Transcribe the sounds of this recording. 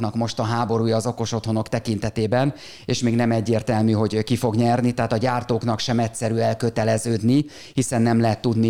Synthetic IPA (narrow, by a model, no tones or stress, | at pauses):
nɒkmo̞ʃt̪ɒɦaːbo̞ɾuːjɒːzo̞ko̞ʃo̞t̪ho̞no̞kt̪ɛkint̪ɛt̪eːbɛn | eːʃmeːɡnɛmɛɟːeːrt̪ɛlmyːɦo̞ɟkifo̞ɡɲɛrnit̪ɛɦaːt̪ɒɟaːrt̪oːkn̪ɒkʃɛmɛtsɛɾyːɛlkøt̪ɛlɛzøːd̪ni | hisɛnːɛmlɛɦɛt̪ːud̪ni